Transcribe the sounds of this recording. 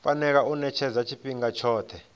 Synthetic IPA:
fanɛk̬aʔunɛt͡ʃʰɛzat͡ʃʰipiŋat͡ʃʰɔːtʰɛ

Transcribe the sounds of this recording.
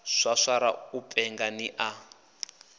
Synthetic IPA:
ʂʷaʂaɾa̰upʼɛŋɡaniʔa

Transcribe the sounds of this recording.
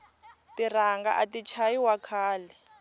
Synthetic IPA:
tir̤aŋɡa̰ʔatit͡ʃʰajiwakʰaːlɛ

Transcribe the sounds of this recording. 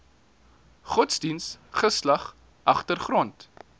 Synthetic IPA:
χɔtsdinsχəslɐχ | ʔɐχtərχrɔnt

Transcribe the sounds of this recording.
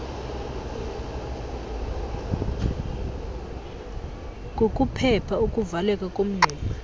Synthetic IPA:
ŋʱʼokʼupʰɛpʰaukʼuvalɛkʼakʼom̩ŋ͡ǀʱɛːla

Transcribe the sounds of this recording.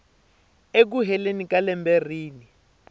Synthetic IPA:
ek̬uɦɛlenikalɛmbɛr̤iːni

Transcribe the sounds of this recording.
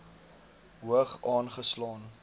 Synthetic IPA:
ɦuəχɑːnχəslɑːn

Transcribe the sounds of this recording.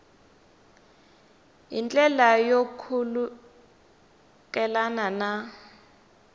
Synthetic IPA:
jḭnt͡ɬʼɛlajokʰulu | kɛlanana

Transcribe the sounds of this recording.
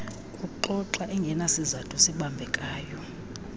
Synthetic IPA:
kʼuǃɔǁaʔɛŋɡʱɛnasizatʰusiɓambʱɛkʼaːjɔ

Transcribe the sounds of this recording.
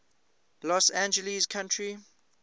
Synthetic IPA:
lɔsãnd͡ʒəlizkʰãntʰɹi

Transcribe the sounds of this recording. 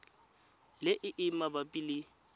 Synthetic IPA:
lɪʔɪʔɪmabapʼilɪ

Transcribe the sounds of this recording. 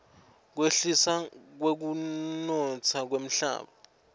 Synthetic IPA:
k̬weɬisak̬wek̬unɔt͡sʰak̬wem̩ɬa̰ːɓa

